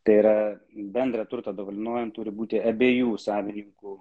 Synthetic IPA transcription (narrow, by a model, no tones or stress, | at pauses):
t̪ɐɪiːɾɐ | bʲɛnd̪ɾɐt̪ʊɾt̪ɐːd̪oːʋɐlʲɪnoɔjɛmt̪ʊɾʲɪbuːt̪ʲɪɐbʲeːjuːsɑːʋʲɪnʲɪŋkuː